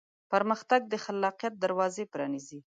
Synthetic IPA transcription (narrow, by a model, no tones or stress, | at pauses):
paɾməxt̪aɡ̚d̪əxalːɑqijat̪̚d̪aɾwɑzepɾɑnizi